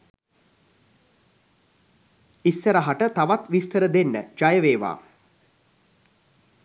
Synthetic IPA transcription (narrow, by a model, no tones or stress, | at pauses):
isːəɾaɦaʈət̪aʋat̪ʋist̪əɾəd̪enːə̰d͡ʒajəʋeːʋa̰ː